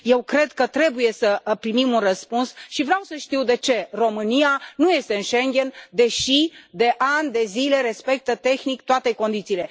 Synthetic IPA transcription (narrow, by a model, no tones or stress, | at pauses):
je̞wkɾe̞d̪kət̪ɾe̞buje̞səpɾimimunrəspunsʃivɾeawsəʃt̪iwd̪e̞t͡ʃe̞ro̞mɨnianuje̞st̪e̞ɨnʃeŋɡʲe̞nd̪e̞ʃid̪e̞ʔand̪e̞zile̞ɾe̞spe̞k̚t̪ət̪e̞xnikt̪oat̪e̞ko̞nd̪it̪siːle̞